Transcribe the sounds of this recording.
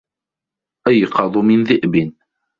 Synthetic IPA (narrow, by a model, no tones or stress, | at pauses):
ʔajqɑd̪ˤʊmɪnðɪʔbɪn